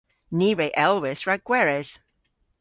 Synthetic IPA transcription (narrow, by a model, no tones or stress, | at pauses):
niːɹeːʔɛlˠwɪsɹaɡ̥wɛɹɛz̥